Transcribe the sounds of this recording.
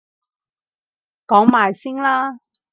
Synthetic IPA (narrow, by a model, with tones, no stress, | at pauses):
kɔː˨˥ŋmaː˨jsɪ˥ŋlaː˥